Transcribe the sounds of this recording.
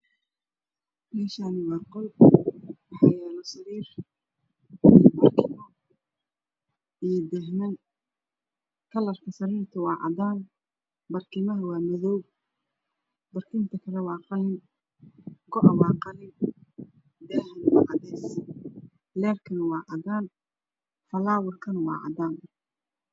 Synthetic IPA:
mɛːʃaːnɪwɐrqɔl | wɑħɑjɛːlɔsɐɾiːr | bɐrkʰɪmɐ | ijd̪ɛɦnɐn | kʰɐlɐrkʰɐsɐɾiːrt̪ʰʊwɑːʕɑ̰d̪aːn | bɐrkʰɪmɐɦɐwɑːmɐðɔw | bɐrkʰɪːnt̪ʰɐkʰɐlɛwɑːqɑlɪn | ɡɔʔɐwɑːqɑlɪn | d̪ɛːhɐnwɑːʔɑðɛːs | lɛːrkʰɐnwɑːʕɑdaːn | fɐlaːwɐrkʰɐnwɑ̰ːʕɑ̰d̪aːn

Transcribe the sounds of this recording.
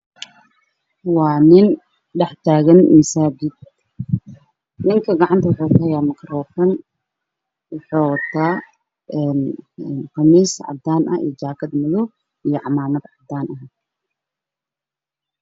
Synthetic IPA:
waːnɪn | ɖɛħt̪ʰaːɣɐnɪ̰msaːd͡ʒɪd̪ | nɪŋkʰɐɡɑʕant̪ʰɐwʊħuːkʊhɐjaːmɐkʰɾɔːfɐn | wʊħoːwɐt̪ʰːaː | ɛnqɐmiːsʕɑ̰b̚d̪aːnʔɐ̰ḭjd͡ʒaːkʰɐd̪mʊðɔ | ijɔʕɑmaːnɐd̪ʕɑb̚d̪aːnʔɐɦ

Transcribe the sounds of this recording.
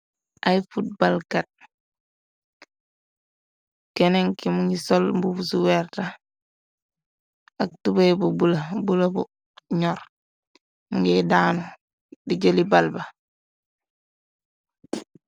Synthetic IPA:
ʔajfut̚balkat̚ | kɛnɛŋkimuŋɡisɔlmbufusuwɛɾta | ak̚tubejbubulabulabu | ɲɔɾ | muŋɡidanu | diɟelibalba

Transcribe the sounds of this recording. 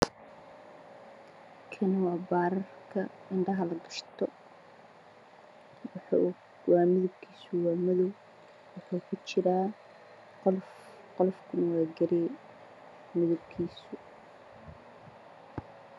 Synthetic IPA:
kʰɐnwɑːbaːɾɐrkʰɐɪɳɖɐɦɐlɐɡɐʃt̪ʰɔ | wɑːmɪðʊb̚kʰiːsʊwɑːmɐðɔw | wɑħuːkʰʊt͡ʃɪɾaː | qɔlfkʰʊnwɑːɡɐɾɪ | mɪðʊb̚kʰiːsʊ

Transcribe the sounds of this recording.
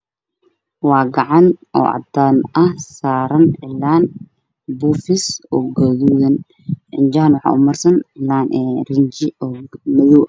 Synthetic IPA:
wɑːɡɑʕɑnʔɔ̰ːʔɑ̰d̪aːnɐhsaːɾɐnʕɪlːaːn | bufɪsɔːɡɔðuːðɐn | ʕɪnd͡ʒaːnwħɑ̰ːʔʊmɐrsɐnʕɪlaːnʔɛːrɪɲt͡ʃɪɔːmɐðɔw

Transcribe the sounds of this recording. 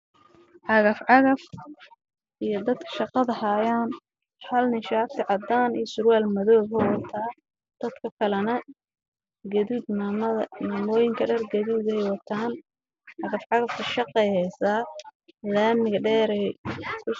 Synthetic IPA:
ʕɑɣɐfʕɑɣɐf | ʔijɞd̪ɐd̪kʰɐ̥ʃɑqɑðɐhaːjaːn | hɐlnɪʃaːft̪ʰɪʕɑd̪aːnijɔsʊɾwaːlmɐðɔːɣɛwɑt̪ʰaː | d̪̥ɐd̪kʰɐkʰɐlɐnɐ | ɡɐðidnːmɐɐnaːmɔːjɪŋkʰɐɖɐrɡɐðiːd̪ɛjwɑt̪ʰaːn | ʕɑɣɐfʕɑɣɐfk̪ʰɐʃɑqɛjhɛjsaːlaːmɪɣɐɖɛːɾɛkʰʊ

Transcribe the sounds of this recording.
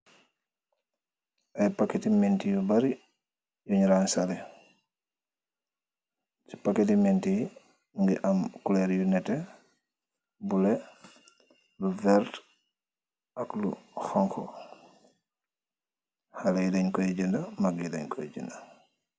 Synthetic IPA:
ʔajpaketimentijubaɾi | juɲɾansalɛ | t͡ʃi̥paketimɛnti | ŋɡiʔamkulɛɾjunɛtɛ | bulɛ | luvɛɾt | akluxɔŋkʰɔ | halajidaɲkɔjɛd͡ʒindamaɡjida̰ɲkɔj̰d͡ʒḭnda

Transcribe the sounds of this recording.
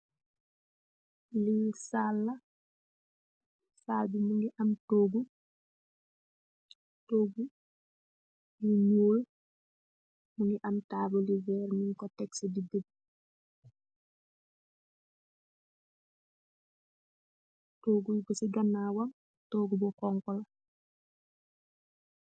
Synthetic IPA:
lisalːa | saːlbimuŋɡiʔɐmtoːɡu | toːɡu | limoːl | muŋɡiʔɐmtaːbolivɛɾmiŋkɔtɛksedidəb̚ | toːɡujɡɔsiɡanːawam | toːɡubɔkɔŋkɔla

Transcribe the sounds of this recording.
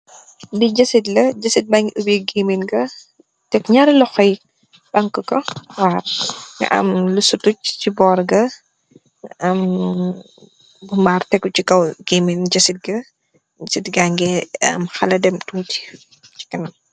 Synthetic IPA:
diɟɐsitlɐɟɐsit̚baŋɡiʔubiɡeminɡɐ | tɛkɲaɾilɔxɐj | bɐŋkəkɔwaːrŋɡɐ̰ʔɐ̰mlusutuc̚t͡ʃibɔːɾɡɐ | ŋʔɐm | bumbaːrtɛkːut͡ʃikɐwɡ̥eːminɟɐsit̚ɡɐ | sitɡaŋɡɛɐ̰mxɐlɐdɛmtuti̥ | t͡ʃi̥kɐnɐm

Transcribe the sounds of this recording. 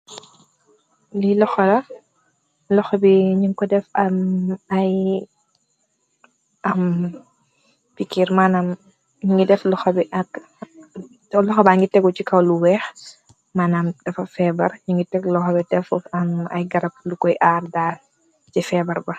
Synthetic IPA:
lilɔxɐlɐ | lɔxɔbiɲiŋkɔdɛfɐmɐj | ɐm | fikiɾmaːnam | ɲiŋɡidɛflɔxɐbiʔɐk | lɔxɔbaŋɡitɛɡucikɐwluwɛːx | maːnaːmd̥ɐfɐfɛbɐrɲiŋɡitɛɡlɔxɔbɛdɛfɐmɐ̰jɡɐɾɐp̚lukɔjʔaːrdaːl | cifɛbɐrbɐ

